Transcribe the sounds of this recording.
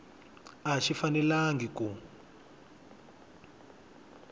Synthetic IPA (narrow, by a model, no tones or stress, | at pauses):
aʃifanɛlaŋɡiku